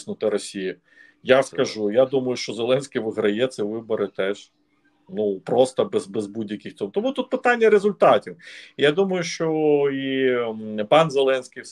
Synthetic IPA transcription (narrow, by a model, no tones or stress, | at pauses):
snʊt̪ɪɾɔsʲiji | jaskɐʒujad̪umɐjʊʃt͡ʃɔzelˠɛnʲsʲkʲɪjʋɪɦɾɐjɛt̪sɛʋɪbɔɾɪt̪ɛʒ̥ | nupɾɔst̪ɐbɛzbɛzbudʲjɐkʲɪxt̪ɔt̪ɔmut̪ut̪̚pɪt̪ɑnʲːɐɾezʊlʲt̪ɑtʲiwjad̪umɐjʊʃt͡ʃɔi | pɑnzelˠɛnʲsʲkʲɪj